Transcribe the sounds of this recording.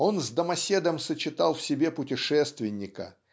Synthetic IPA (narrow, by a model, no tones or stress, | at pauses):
o̞nzd̪əmɐsʲe̞d̪əmsət͡ɕɪt̪alˠfsʲɪbʲe̞pʊtʲɪʂɛst̪vʲɪnʲːɪkə̰